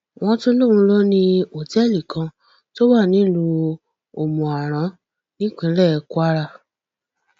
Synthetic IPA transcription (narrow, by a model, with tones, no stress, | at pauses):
w̃ɔ̃˧to˦lo˦˨ɾ̃ũ˧˦lɔ˦nĩ˦o˨tɛ˦˨li˨kã˧ | to˦wa˦˨nĩ˨˦lũ˧ | o˨mũ˨a˨ɾ̃ã˨˦ | nĩ˦k͡pĩ˧˦lɛ˦˨˧kwa˦ɾa˧